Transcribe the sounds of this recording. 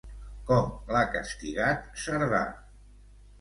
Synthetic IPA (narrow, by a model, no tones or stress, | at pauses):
kɔmlakə̰st̪iɣat̪səɾða̰